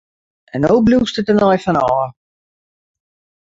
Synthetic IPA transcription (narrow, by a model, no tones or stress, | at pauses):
ɛnowbluːstətənɔjfɔnɔɔː